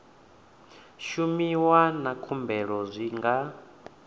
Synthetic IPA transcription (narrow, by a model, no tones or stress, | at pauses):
ʃumiwanakʰumbɛɺɔzʷiŋɡa